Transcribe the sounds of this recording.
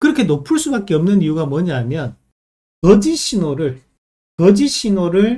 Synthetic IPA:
kɯɾʌkʰenopʰɯɭs͈ubak͈eʌmnɯnijuɡamwʌɲaɦmjʌn | kʌd͡ʑiɕʰinoɾɯɭ | kʌd͡ʑiɕʰinoɾɯɭ

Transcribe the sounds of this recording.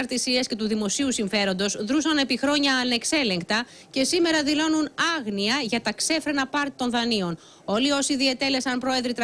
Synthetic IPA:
ɾt̪isiesce̞t̪uðimo̞siusiɱfe̞ɾo̞nd̪o̞sðɾusɐne̞pixɾo̞ɲɐːne̞kse̞le̞ŋkt̪ɐ | ce̞sime̞ɾɐðilo̞nunɐɣniɐʝɐt̪ɐkse̞fɾe̞nɐpɐɾt̪i̥t̪o̞nðɐnio̞n | o̞lio̞siðiɐt̪e̞le̞sɐnpɾo̞e̞ðɾit̪ɾɐ

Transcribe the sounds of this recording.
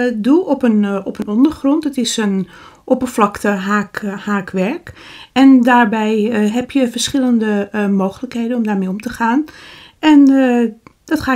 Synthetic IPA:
dulˠɔpənɔpənɔndərχrɔntətɪsən | ʔopəflɑktəɦaːkhaːkʋɛɹkɛndaːɹbɛjɦɛpjəfəɹsχɪləndəmoːxələkhejdənɔmdaːrɹmejɔmtəχaːn | ɛn | d̥ɔtχaː

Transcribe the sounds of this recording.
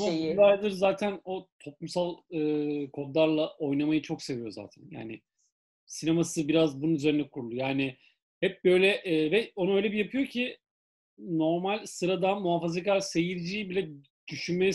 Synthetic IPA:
oulˠajd̪ɯɾzaːt̪ʰæno̞t̪ʰo̞plˠumsalˠɯːkʰo̞d̪lˠaɾlˠaʔo̞jnamajɯt͡ʃʰo̞kse̞vijo̞za̰ːt̪ʰæ̰nja̰ːnɪ | sinemasɯbiɾazbununyze̞ɾinɛkʰuɾulˠujaːnɪ | hɛp̚bø̞jlʲɛʔvɛo̞nuøjlʲɛbijapʰɯjo̞cʰi | no̞ɾmalʲsɯɾad̪anmuɦaːfazekaɾsejiɾd͡ʒiːbilʲɛ | d̪̥yʃynmejɛ

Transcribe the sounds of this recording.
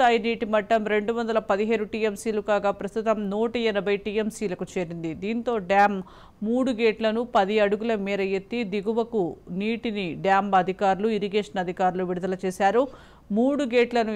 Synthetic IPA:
aːjiniːʈimɐʈːɐmɾe̞ɳɖuʋɐnd̪ɐlɐpɐd̪iɦeːɾuʈiːemsiːlukaːɡaːpɾɐst̪ut̪ɐmnoːʈɐjɐnɐbʱɐjʈiːemsiːlɐkut͡ʃe̞ːɾind̪id̪iːnt̪o̞ːɖaːmː | uːɽuɡeːʈlɐnupɐd̪iɐɽuɡulɐmɛːɾɐjet̪ːid̪iɡuʋɐkuniːʈiniɖjaːmbɐd̪ʱikaːɾuluiɾiɡeːʂɐnɐd̪ʱikaːɾuluʋiɽud̪ɐlɐt͡ʃeːsaːɾu | muːɽuɡeːʈlɐnu

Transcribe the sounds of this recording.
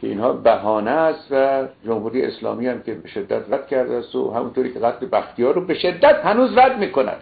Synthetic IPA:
kʰʲeḭːnhɒːbæhɒːnæst̪væd͡ʒomhuːɾijḛḛslɒ̰ːmiːhæmkʲebeʃed̪ːæt̪ræd̪̥̚kʰæɾd̪ææst̪o̰hæmṵnt̪oːɾiːkcʰeɣæt̪ʰlebæxt̪ʰijɒːɾrobeʃe̞d̪ːæt̪hænuːzræd̪miːkonæ̰d̪̥

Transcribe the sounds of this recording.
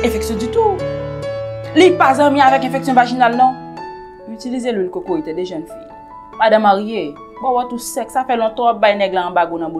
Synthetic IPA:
ɛ̃fɛksjɔ̃dyt̪u | lipazãmĩavɛkɛ̃fɛksjɔ̃vaʒinalnɔ̃ | ytilizelwilkokoet̪ɛdeʒɛnfḭj | mad̪ãmãʁije | bɔ̃wɔt̪usɛksafɛlɔ̃t̪ãɔbajnɛɡlãːbaɡõnãbo

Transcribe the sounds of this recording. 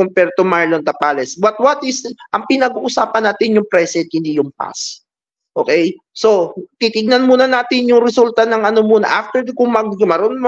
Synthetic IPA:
kʊmpɛɾt̪ʊmaɹlont̪ɐpaːlɛsbɐt̪̚wɐt̪ɪsʔɐŋpɪnɐɡuːʔʊsaːpɐnːaːt̪ɪnjʊŋpɾɛsɛnt̪̚hɪnd̪ijʊŋpa̰s | ʔo̞ːkɛjso̞kɪt̪ɪɡ̚nɐnmuːnɐnaːt̪ɪnjʊŋɾɛsult̪ɐnɐŋʔɐnomuːnɐ̰ʔaft̪ɛɹkʊŋmɐɡ̚mɐɾonm

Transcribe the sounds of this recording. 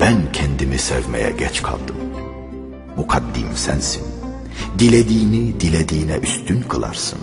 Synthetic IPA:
b̥æncʰɛnd̪imisæɾvmɛ̰jɛ̰ɟɛt͡ʃkʰa̰lˠd̪ɯm | bukʰad̪ːḭmsænsin | d̪ilʲed̪iːnid̪ilʲed̪iːnɛʔyst̪ʰynkʰɯlˠa̰ɾsɯn

